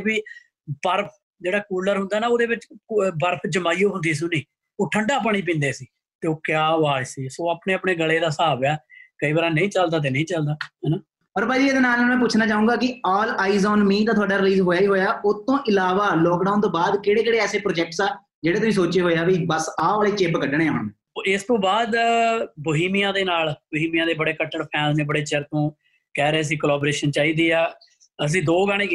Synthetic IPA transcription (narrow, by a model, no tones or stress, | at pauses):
biː | bəɾpʰ | d͡ʒeːɽaːkuːləɾɦʊ̃nd̪aːnaːoːd̪eːʋɪt͡ʃbəɾpʰd͡ʒəmaːijõːɦʊ̃nd̪iːs̬ũːniː | oːʈʰəɳɖaːpaɳ̃iːp̬ĩːnd̪eːsiː | t̪eːoːkjaːoaːd͡ʒsiːsoːaːpɳeːəpɳeːɡəleːd̪aːsaːbaːkəiːbəɾaːnəĩːt͡ʃəld̪aːt̪̬eːnə̃ĩːt͡ʃəld̪aːɦɛːnaː | pəɾpaːd͡ʒiːeːd̪eːnaːlmɛ̃ːp̬ʊt͡ʃʰnaːt͡ʃaːũːɡaːkɪɔːlaːizɔːnmĩːt̪ãːt̪ʰʊaːɖaːɾɪliːzɦoːjaːiːɦoːjaːʊt̪ːõːʔɪlaːʋaːlɔːkɖaːʊnt̪õːbaːd̪keːɽeːkeːɽeːɛːseːpɾoːd͡ʒɛk̚ʈsaː | d͡ʒeːɽeːt̪ʊsĩːsoːt͡ʃeːɦoːjaːʋibəsaːʋleːt͡ʃebkəɖəɽẽːɦʊɳmẽː | ɪst̪õːbaːd̪boːɦiːmijãːd̪eːnaːlboːɦiːmijãːd̪eːbəɽeːkəʈːəɳpʰɛːnsnẽːbəɽeːt͡ʃəɾt̪õː | kɛːɾɛːəs̬ĩːkəlaːboːɾeːʃənt͡ʃaːiːd̪iːaː | əs̬ĩːd̪oːɡaːɽ̃ẽː